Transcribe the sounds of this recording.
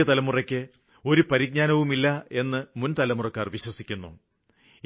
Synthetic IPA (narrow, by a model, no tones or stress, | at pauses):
ɐt̪ɐlɐmurɐkʲːɨ | o̞ɾupɐɾiɡ̚ɲaːnɐʋumilːɐe̞nːɨmunt̪ɐlɐmurɐkːaːrʋiɕwɐsikʲːunːṵ